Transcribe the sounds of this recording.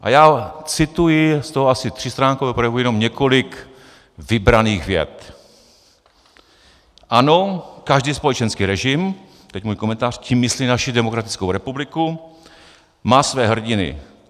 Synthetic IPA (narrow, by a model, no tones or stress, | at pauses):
ʔa̰jaːt͡sɪt̪ujɪst̪oɦoasɪt̪r̥ɪst̪ɾaːŋkovɛːpɾojɛvujɛnomɲɛkʰo̞lɪk | vɪbɾaniːxvjɛ̰t̪ | ʔano̞kaʒdiːspo̞lɛt͡ʃɛnskiːɾɛʒɪm | t̪ɛcmuːjkomɛnt̪aːr̝̥cimːɪsliːnaʃɪdɛmokɾat̪ɪ̥t͡skowɾɛpublɪku | maːsvɛːɦr̩ɟɪnɪ̰